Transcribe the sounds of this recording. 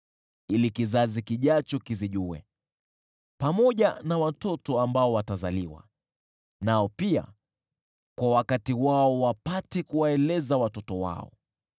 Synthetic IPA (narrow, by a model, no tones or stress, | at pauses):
ilikizazikiʄat͡ʃɔkiziʄuwɛ̰ | pamɔʄanawatɔtɔambaɔwatazaliwa̰ | naɔpia̰ | kwawakatiwaɔwapatɛkuwaɛlɛzawatɔtɔwa̰ɔ̰